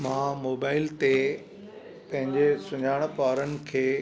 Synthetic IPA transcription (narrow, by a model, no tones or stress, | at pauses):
mãːmoːbaːɪlt̪e | pɐ̃ɦɪ̃ɲd͡ʑesʊɲaːɪɽ̃̆paːɾənɪ̆kʰeː